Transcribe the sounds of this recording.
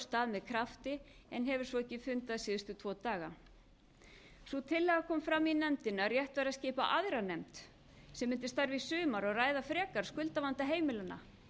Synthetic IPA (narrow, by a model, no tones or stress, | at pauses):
st̪aːðmɛðkʰɾaft̪ɪɛnɦɛvʏɾ̥svɔɛhcːɪfʏnt̪aðsɪːðʏst̪ʏt̪ʰvɔːt̪aːɣa | svɔt̪ʰɪlːɛːɣakʰɔːmfɾaminɛmt̪ɪnarjɛht̪vaːɾascɪːpa̰ʔaðɾanɛmt̪ | sɛmːɪnt̪ɪst̪aɾvɪsʏːmaɾaɣraːjðafɾɛːkaɾ̥skʏlt̪avant̪aɦeːjmɪlanːa̰